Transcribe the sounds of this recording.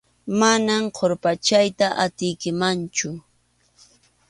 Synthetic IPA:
manamqʰoɾpat͡ʃajt̪aʔat̪ɪjkɪmant͡ʃʊ

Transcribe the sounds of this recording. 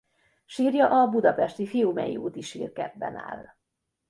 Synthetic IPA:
ʃiːrjɒʔɒbud̪ɒpɛʃt̪ifijuːmɛjḭṵːt̪iʃḭːrkɛ̰bːɛ̰na̰ːl

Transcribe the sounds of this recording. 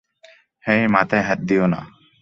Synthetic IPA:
hɛ̃jmat̪ɛɦɛt̪̚d̪ijona̰

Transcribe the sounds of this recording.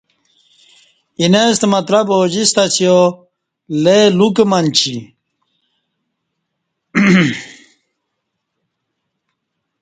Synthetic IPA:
inest̪mɐt̪ɾɐboːd͡ʑist̪ɐt͡sʰijo | lelukemɐnt͡ɕʰi

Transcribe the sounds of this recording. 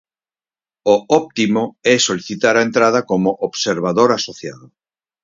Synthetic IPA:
oɔp̚t̪imoɛsoliθit̪aɾaent̪ɾað̞akomoʔobseɾβ̞aðoɾasoθjaðo

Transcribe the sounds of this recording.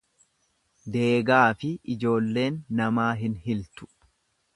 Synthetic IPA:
d̪e̞ːɡaːfɪɪd͡ʒo̞ːlːe̞ːnːɐmaːɦɪnhɪlt̪ʊ̥

